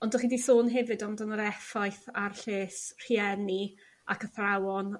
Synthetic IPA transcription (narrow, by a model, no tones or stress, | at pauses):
ɔndɔχidisoːnɦɛvɨdɔmdɔnəɾɛfajθarɬeːsr̥iɛni | akʰəθrawɔn